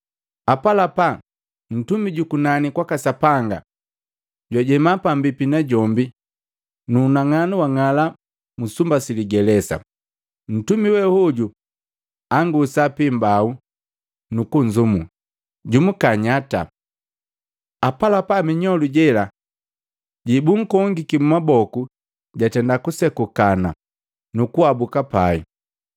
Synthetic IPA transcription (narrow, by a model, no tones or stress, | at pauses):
apalapa | n̩tumiɟukunanikwakasapaŋɡa̰ | ɟwaɟɛmapambipinaɟɔmbi | nuːnaŋanuwaŋala | musumbasiliɡɛlɛsa̰ | n̩tumiwɛhuɟu | aŋɡusapimbau | nukuɲd͡ʒumu | ɟumukaɲata̰ | apalapamiɲɔluɟɛla | ɟibuŋ̩kɔŋɡikimumabɔku | ɟatɛndakusɛkukana | nukuabukapaḭ